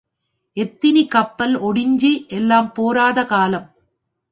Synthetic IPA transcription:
ʔɛt̪ːɪnikɐpːɐlɔɽɪɲd͡ʒiʔɛlːaːmpoːɾaːðɐkaːlɐm

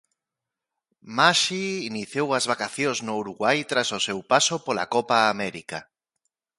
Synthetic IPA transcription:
maʃiːniθjowɐzβakaθjõznouɾuɣwajt̪ɾasosewpasopola̰kɔpaːmɛɾika

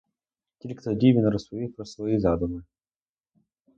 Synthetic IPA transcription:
t̪ʲilʲkt̪ɔd̪ʲivʲɪnɾɔsɔipɾɔsvɔjizad̪ʊmɨ

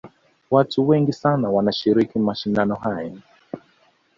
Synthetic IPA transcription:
watuwɛŋɡisanawanaʃiɾikimaʃindanɔhaja

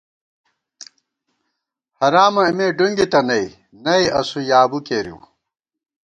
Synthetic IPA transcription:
hɐɾaːmɐimeːɖuŋɡit̪ɐnɐi | nɐiɐsujaːbukeːɾḭw

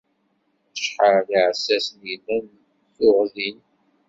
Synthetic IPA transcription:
θəʃħəɾðʕsːæsnjilæn | θʊʁðin

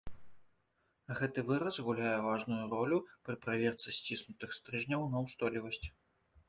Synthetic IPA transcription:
ɣɛt̪ɨvɨɾɐzɣulʲajɛvaʐnujuɾɔlʲupɾɨpɾavʲɛrt̪sɨsʲt͡sʲisnut̪ɨxst̪ɾɨʐnʲɐwnɐwst̪ɔlʲivɐsʲt͡sʲ

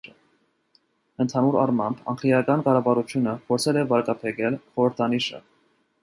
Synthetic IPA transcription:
ənt̪ʰɑnuɾɑ̰rmɑmbɑ̰ŋkʰlijɑkɑnkɑɾɑvɑɾut͡ʃʰjunəpʰɔɾt͡sʰɛlɛvɑɾkɑpʰɛkɛlχɔɾəɾt̪ʰɑniʃə̰

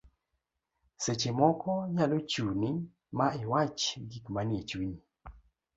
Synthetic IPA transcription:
set͡ʃemɔkɔɲalot͡ʃuni | maɪwat͡ʃɡikmanet͡ʃwiɲi

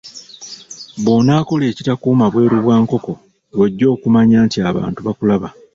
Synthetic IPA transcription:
βo̞ːnaːko̞le̞ːcitakuːmaβwe̞ːɾuβwaːŋko̞ko̞ | lweɟːo̞ːkumaɲaːntiaβa̰ːntuβakulaβa

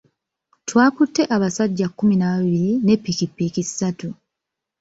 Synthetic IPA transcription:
twaːkutːe̞ʔaβasaɟːakːuminaβaβiβiɾine̞pːikipːikisatu

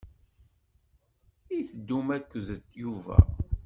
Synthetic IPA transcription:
iθəd̪ːumækʷːðət̪ːjuvæ̰

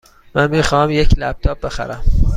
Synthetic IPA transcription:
mænmiːxɒːmjecʰlæb̥̚t̪ʰɒːb̚be̞xæ̰ɾæm

